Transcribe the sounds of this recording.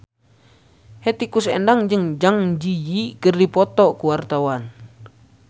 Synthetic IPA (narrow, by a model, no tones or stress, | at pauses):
hɛt̪ikusɛ̰ndaŋd͡ʒəŋd͡ʒaŋd͡ʒijikərdipɔt̪ɔkuwart̪awan